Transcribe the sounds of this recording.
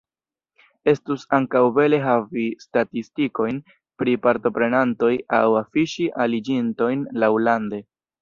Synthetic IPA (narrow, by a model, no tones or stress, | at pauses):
e̞stusaŋkawbe̞le̞ɦavistatistiko̞jn | pɾipaɾto̞pɾe̞nanto̞ja̰wafiʃiʔalid͡ʒinto̞jnlawlande̞